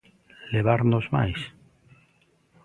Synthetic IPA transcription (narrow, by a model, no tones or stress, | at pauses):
leβ̞aɾnozma̰js